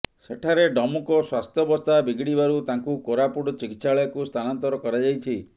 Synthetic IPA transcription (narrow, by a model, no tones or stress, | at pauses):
seʈʰaɾeɖɔmukɔswast̪ʰjɔbɔst̪abiɡɽibaɾut̪aŋkukoɾapuɽɔt͡ʃikit̪ːsaɭɔjɔkust̪ʰanant̪ɔɾɔkɔɾad͡ʒajt͡ʃʰi